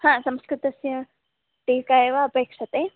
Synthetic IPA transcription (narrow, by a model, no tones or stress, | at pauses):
hãːsɐmskɾɨt̪ɐsjɐ | ʈiːkaeʋaːpeːkʂɐt̪e